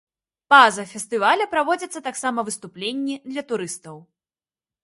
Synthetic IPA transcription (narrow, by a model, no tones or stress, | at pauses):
pazɐfʲɛst̪ɨvalʲɐpɾavɔd͡zʲɐt̪sːɐt̪aksamɐvɨst̪uplʲenʲːid̪lʲɐt̪uɾɨst̪ɐw